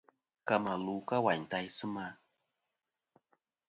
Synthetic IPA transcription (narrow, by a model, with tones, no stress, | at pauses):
ka˨ma˨lu˨ka˦wa˨ɲta˦jsɨ˦ma˦